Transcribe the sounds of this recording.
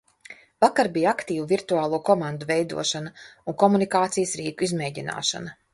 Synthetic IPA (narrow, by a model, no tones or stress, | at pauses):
vakaɾbʲijakt̪iːvuviɾt̪uaːlˠuːkɔmand̪uvɛjd̪ṵɔʃanauŋkɔmunikaːt̪sijsɾiːkuizmʲɛːjɟina̰ːʃa̰na